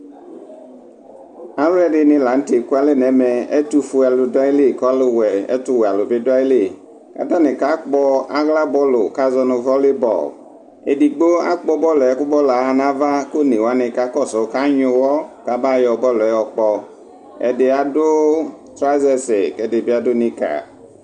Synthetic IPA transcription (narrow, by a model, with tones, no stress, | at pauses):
a˦wɛ˦dɪ˨nɪ̃˨la˨˦n̩˦te˨ku˦a˦le˦nɛ˨˦mɛ˨ɛ̰˦t̪u˦fu˨a˨lo˨da˦i˦le˦˨kɔ˦a˦le˦wɛ˨ɛ̰˦t̪u˦wɛ˨a˨lo˨be˦da˦jle˦˨ | ka̰˨t̪ã˦ne˨ka˦k͡pɔ˦a˦ɣla˦bɔ˦lo̰˨ka˦zɔ˦no˨vɔ˦le˦bɔ̰˨l | ḛ˨di˨ɡ͡bo˦a̰˦k͡pɔ˦bɔ˦lɔ˨ɛ˨˦kʊ˦bɔ˦la˨˦a˨nã˦va˦ko˦nẽ˨wa˦ne˨ka˦kɔ˦˨sɔ˨˦ka˦ɲõ˨wɔ˦ka˨ba˦˨jɔ˨bɔ˦lɔ˨ɛ˦wɔ˨k͡pɔ˨ | ɛ̰˨de˨a˨dʊ˦tɾa˦zɛ˦se˨kɛ˨dɪ˨bi˦a˦do˦nĩ˦ka̰˨